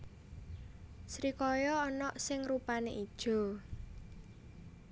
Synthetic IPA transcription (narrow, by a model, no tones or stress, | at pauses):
sɾikɔjɔːnɔʔsɪŋrupaneʔid̥ʒ̥o̤